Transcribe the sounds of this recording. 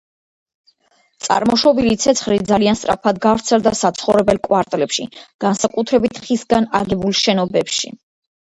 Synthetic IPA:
t̪sʼa̰ɾmɔʃɔbilit̪sʰɛt̪sʰχlid̪zalianst̪ʼɾa̰pʰad̪ɡavɾt̪sʰɛld̪asat̪sʰχɔvɾɛbɛlkʼwaɾt̪ʼɛlɛpʃḭɡ̥ansakʼut̪ʰɾɛbit̪ʰχisɡana̰ɡɛbulˠʃɛnɔbɛpʃḭ

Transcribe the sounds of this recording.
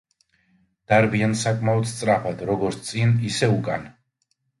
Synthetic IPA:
d̪̥aɾbiansakʼmaɔt̪st̪sʼɾapʰad̪ɾɔɡɔɾt̪ʰt̪sʼinisɛukʼan

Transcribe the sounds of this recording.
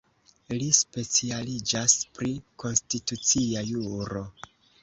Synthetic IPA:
lispe̞t͡sialid͡ʒaspɾikʰo̞nstitut͡siajuɾo̞

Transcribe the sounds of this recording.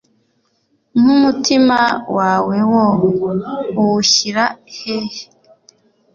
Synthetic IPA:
mumutimawaːwewo | uwuɕiɾahehe

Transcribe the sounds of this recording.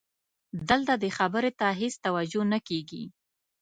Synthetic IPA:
d̪əlt̪ad̪əxabəɾet̪aɦest̪awad͡ʒonakeɡḭ

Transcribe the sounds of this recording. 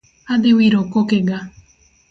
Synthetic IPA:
ad̪ewiɾokokeɡa

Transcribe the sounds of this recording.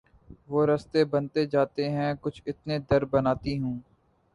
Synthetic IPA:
ʋoːɾɐst̪ebɐnt̪ed͡ʒaːt̪eɦɛ̃kʊt͡ʃʰɪt̪ned̪ɐɾbɐnaːt̪iɦũː

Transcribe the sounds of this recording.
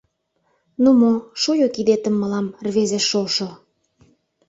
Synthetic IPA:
numoʃujokid̪et̪əmːəlɑmrβezeʃːolʃo

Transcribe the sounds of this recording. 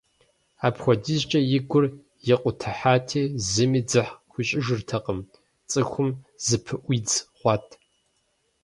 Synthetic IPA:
aːpxʷɔdizt͡ʃʼɐjɪɡʷʊr | jɪqʷʼʊtʰɐħaːtʰeːzɨmiːd͡zɨħxʷʊɕʼɪʒɨrtʰɐqʼəm | t͡sʼɨxʷʊmzɨpʰɨʔʷid͡zʁʷɑːtʼʰ

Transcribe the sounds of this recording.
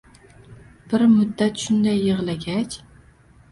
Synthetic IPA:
b̥ɪɾmʊd̪ːat̪ʃʊnd̪ajːɨʁlaɡʲat͡ʃ

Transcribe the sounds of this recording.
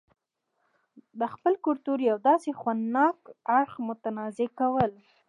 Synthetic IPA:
d̪əxpəlkʊlt̪uɾjawd̪ɑsexwand̪nɑkaɽxmʊt̪anɑzekawəl

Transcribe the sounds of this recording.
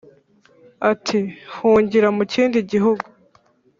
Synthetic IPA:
atʰihuːɲɟiɾamuciːndiɟiɦuɡu

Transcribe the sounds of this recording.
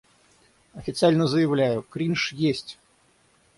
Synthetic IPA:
ɐfʲɪt̪sɨalʲnəzəjɪvlʲæjʊkɾʲinʂjesʲtʲ

